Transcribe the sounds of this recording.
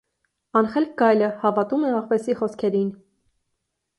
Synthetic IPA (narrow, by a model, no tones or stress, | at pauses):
ɑnχɛlk̚ɡɑjləhɑvɑt̪umɛɑʁvɛsiχɔskʰɛɾin